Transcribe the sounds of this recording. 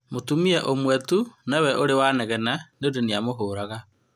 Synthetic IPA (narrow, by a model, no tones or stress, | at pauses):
motumiɛʔomwɛtunɛwɛʔoɾewaːnɛɣɛnaneodeniamoɦoːɾaɣa